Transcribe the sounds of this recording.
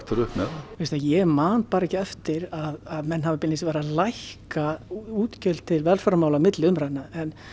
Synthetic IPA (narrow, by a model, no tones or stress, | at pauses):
t̪aɾʏhpnɛðavest̪ajɛmaːnt̪̚paːɾɛhcɪɛft̪ɪɾaðaðmɛnːhavɪpɪnːɪsvɛːɾalajhkauːt̪cœlt̪t̪ʰɪlvɛlfœɾamaːwlamɪt̪lɪʏmɾajnːaɛn